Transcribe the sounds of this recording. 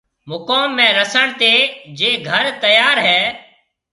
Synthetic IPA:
mʊkoːmːẽːɾəsəɳt̪eːd͡ʒeːɡʱəɾt̪əjaːɾɦɛː

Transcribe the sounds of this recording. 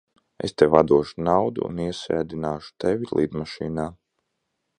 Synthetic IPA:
ḛst̪ewad̪uɔʃunawd̪ṵːniɛsɛːd̪inaːʃu̥t̪evilˠʔḭːd̪maʃiːnaː

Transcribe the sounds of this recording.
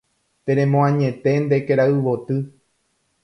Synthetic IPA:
t̪ẽɾẽmõãɲẽ̞t̪e̞nd̪e̞keɾaɨʋot̪ɨ

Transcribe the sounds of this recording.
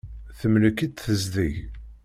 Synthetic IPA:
θəmləkid̪θəzðiʝ

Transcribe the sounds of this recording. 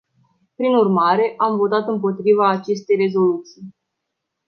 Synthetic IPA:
pɾinurmaɾe̞ʔamvo̞t̪at̪ɨmpo̞t̪ɾivaːt͡ʃe̞st̪e̞jre̞zo̞lut̪sij

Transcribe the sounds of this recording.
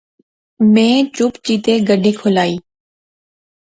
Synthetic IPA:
mẽːt͡ʃʊpt͡ʃiːt̪eːɡəɖʱiːkʰolaːiː

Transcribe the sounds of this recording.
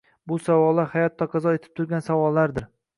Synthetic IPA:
bʊsavɒlˠːaɾhajɒt̪ʰːɒqʰɑzɒet̪ʰɪ̥p̚t̪ʰʊɾɡʲansavɒlˠːaɾd̪ɪɾ

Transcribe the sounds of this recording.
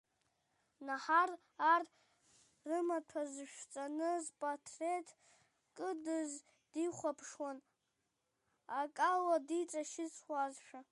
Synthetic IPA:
naħar | ar | rɨmatʰazɨʃᶣt͡sʼanɨzpʼatʰretʰ | kʼɨdɨz | d̥iχʷapʰʂwan | akʼaladit͡sʼaʃɪt͡sʰʼʷazʃᶣa

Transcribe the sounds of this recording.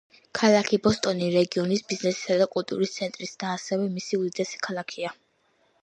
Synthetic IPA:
kʰalˠakʰibɔst̪ʼɔniɾɛɡiɔnisbiznɛsi̥sad̪akʼulˠt̪ʼṵɾist̪sʰɛnt̪ʼɾisd̪̥aːsɛvɛmisiud̪id̪ʼɛsi̥kʰalˠakʰia

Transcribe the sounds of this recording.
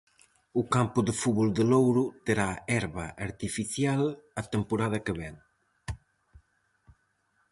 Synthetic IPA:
ukampuðəfuβɔld̪əlowɾut̪əɾaɛɾβaʔːɾt̪ifiθjalat̪əmpuɾað̞akəβɛŋ

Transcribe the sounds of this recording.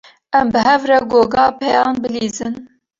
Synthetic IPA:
ʔɛmbɨɦɛvɾɛɡoːɡɑːpʰɛjɑːnbɨliːzɨn

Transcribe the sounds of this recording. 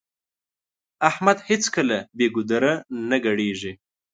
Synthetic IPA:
ahmad̪hɪt͡skəlabeɡʊd̪aɾanaɡaɽeʒi

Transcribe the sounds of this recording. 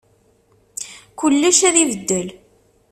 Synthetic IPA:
kəlːəʃæðiðəd̪ːəl

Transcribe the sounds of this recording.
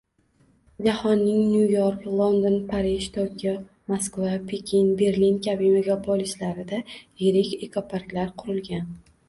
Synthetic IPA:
d͡ʒahɒnːɪŋnjujoɾklˠond̪onpʰaɾiʃt̪ʰokʲo | maskvapʰe̞kʲʰinbe̞ɾlinkʲʰabɪme̞ɡʲapʰolislaɾɪd̪ajɪɾɪkʲe̞kʰopʰaɾklaɾqʰʊɾɪlɡʲan

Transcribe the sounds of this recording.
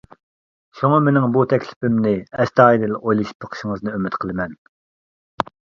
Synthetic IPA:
ʃuŋɑmenɪŋbut̪ʰɛkʲlɪ̥pɪmnɪɛst̪ɑːid̪ɪlojlˠɨʃi̥pːʰəqʰə̥ʃɪŋəznɨømɪt̪qʰəlˠɨmɛn

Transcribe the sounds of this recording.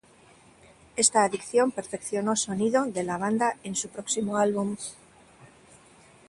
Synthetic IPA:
e̞st̪aːðikθjo̞mpe̞ɾfe̞kθjo̞no̞so̞niðo̞ðe̞laβ̞and̪ae̞nsupɾo̞ksimoalβum

